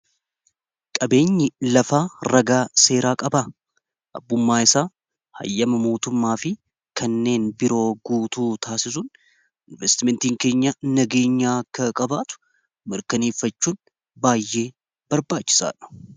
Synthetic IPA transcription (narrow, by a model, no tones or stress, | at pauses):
kʼɐbe̞ːɲːɪlɐfaːɾɐɡaːse̞ːɾaːkʼɐba | ʔɐ̰bːʊmːaːɪsaː | hɐ̰jːɐmɐmo̞ːt̪ʊmːaːfɪ | kʰɐnːe̞ːnbɪɾo̞ːɡuːt̪uːt̪ʰaːsɪsʊn | ʔɪnvɛst̪ɪmɛnt̪iːŋke̞ːɲːɐnɐɡe̞ːɲːaːkːɐkʼɐbaːt̪ʊ̥ | mɪɾkɐneːfɐt͡ʃːuːn | baːjːe̞ː | b̥ɐɾbaːt͡ʃːɪ̥sa̰ːᶑɐ̥